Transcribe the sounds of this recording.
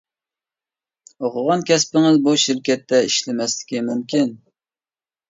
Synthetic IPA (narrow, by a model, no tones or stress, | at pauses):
oqʰʊʁɑnkʲɛspɪŋɪzbuʃɪɾkʲɛt̪ʰːɛiʃlɪmɛslɪ̥kʲimymkʲin